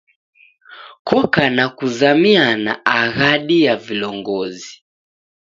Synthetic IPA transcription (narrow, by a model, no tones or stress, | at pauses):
kɔkanakuzamiana̰aɣaɗijavilɔŋɡɔzi